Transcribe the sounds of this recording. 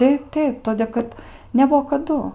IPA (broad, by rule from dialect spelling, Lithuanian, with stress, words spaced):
ˈtʲɛɪp ˈtʲɛɪp ˈtoːdʲeː kɐt nʲɛˈbuɔ kɐˈdʊ